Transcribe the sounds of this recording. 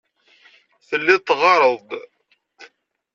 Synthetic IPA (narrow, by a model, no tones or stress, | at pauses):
θəlːɪt̪ːʁɑɾˤəðˤ